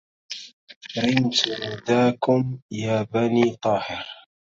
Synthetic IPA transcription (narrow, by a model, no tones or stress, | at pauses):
ɾɪnt̪hʊd̪aːkʊmjaːbaniːt̪ˤɑːhɪɾ